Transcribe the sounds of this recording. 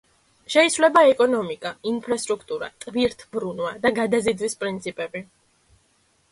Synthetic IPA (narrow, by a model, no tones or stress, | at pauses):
ʃɛisvlɛbaɛkʼɔnɔmikʼainpʰɾast̪ʼɾukʰt̪ʼuɾa̰t̪ʼviɾt̪ʰbɾunwad̪aɡad̪azid̪wispʼɾint̪sʰipʼɛbi